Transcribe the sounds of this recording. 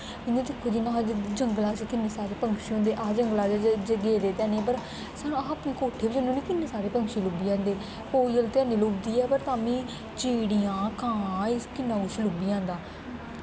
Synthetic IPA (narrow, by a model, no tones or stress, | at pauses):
ɪnẽːd̪ɪkʰːoːd͡ʒinãːd͡ʒəŋɡlaːt͡ʃkɪnːeːsaːɾeːpəŋkʃiːɦõːnd̪eːʔaːd͡ʒəŋɡlaːd͡ʒd͡ʒəɡeːd̪eːt̪ɛ̃ːneːp̬əɾ | sañːapneːkoːʈʰeːbid͡ʒənũːnĩːkɪnːeːsaːɾeːpəŋkʃiːlʊbiːãːnd̪eː | koːiːəlt̪ɪãːneːloːbd̪iːɛːpəɾt̪aːmĩː | t͡ʃiːɽiːãːkãːskɪnːãːɡʊʃlʊbiːãːnd̪aː